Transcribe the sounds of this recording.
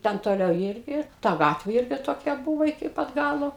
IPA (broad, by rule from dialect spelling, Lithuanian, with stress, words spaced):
ˈtʲɛn toːˈlʲɛʊ ˈiːrʲɡʲɪ ˈtɐ ˈɡɑːtʲʋʲeː ˈɪrʲɡʲɪ toːˈkʲɛ ˈbʊʋoː ɪkʲɪ ˈpɐt ˈɡɑːlˠoː